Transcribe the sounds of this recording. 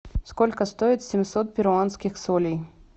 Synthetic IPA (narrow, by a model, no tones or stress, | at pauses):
skolʲkəst̪oɪt̪sʲɪmʲsot̪̚pʲɪɾʊanskʲɪxsolʲij